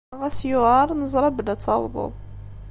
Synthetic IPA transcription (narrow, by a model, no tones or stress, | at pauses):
ʁæsjʊʁəɾˤnəzˤɾˤɑbəlæt͡sːɑwðˤo̰ðˤ